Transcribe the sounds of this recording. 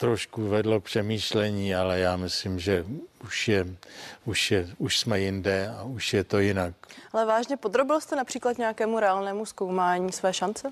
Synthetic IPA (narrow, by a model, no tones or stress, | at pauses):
t̪ɾoʃkuvɛdlo̞k̚pr̝̥ɛmiːʃlɛɲiːalɛjaːmɪslimʒɛuʃjɛuʃjɛuʃsmɛjɪndɛauʃjɛt̪o̞jɪnak̚alɛvaːʒɲɛpo̞d̪ɾobɪlst̪ɛnapr̥iːklat̪ɲɛakɛːmuɾɛaːlnɛːmuskowmaːɲiːsvɛːʃant͡sɛ